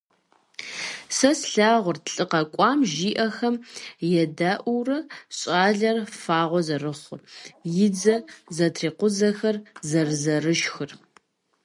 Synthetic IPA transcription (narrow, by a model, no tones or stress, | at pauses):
sɐsɬaːʁʷʊrtɬʼɨqɐkʷʼɑːmʒiːʔɐxɐmjɛdaːʔuwrɐɕʼaːɮɐrfaːʁʷɔzɐrɨχʷʊ̰rjɪd͡zɐzɐtʰriːqʷʊzɐxɐrzɐrzɐrɨʃxɨr